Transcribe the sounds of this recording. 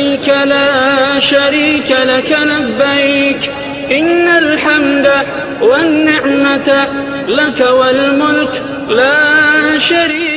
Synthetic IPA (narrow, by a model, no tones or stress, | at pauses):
jkalaːʃaɾiːkalakanabːak | ʔɪnːalħamd̪a | wanːɪʕmat̪a | lakawalmʊlk | laːʃaɾiː